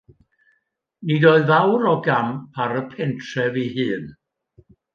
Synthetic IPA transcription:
nidɔɨðvawɾɔɡampʰaɾəpʰɛntʰrɛvihɨːn

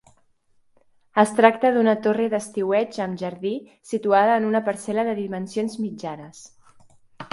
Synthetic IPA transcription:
əst̪ɾakt̪əðunət̪oreðəst̪iwɛt͡ʃəmʒəɾði | sit̪uaðəːnunəpəɾsɛləðəðimənsionzmid͡ʒanəs

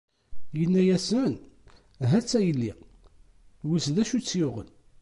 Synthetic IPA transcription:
jənːæjæsən | ɦæt͡sːæjəlːi | wusðæʃut͡sːjʊʁə̰l

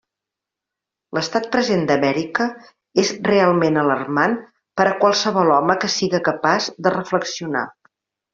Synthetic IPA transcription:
ləst̪at̪̚pɾəzend̪əmɛɾikə | ezrealˠmenələrman | pəɾəkwalˠsəβɔlˠɔməkəsiɣəkəpazd̪ərəfləksiuna̰

